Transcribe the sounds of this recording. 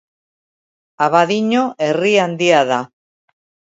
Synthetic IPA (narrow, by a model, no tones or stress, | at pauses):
aβaðiɲo̞ʔe̞riand̪iaða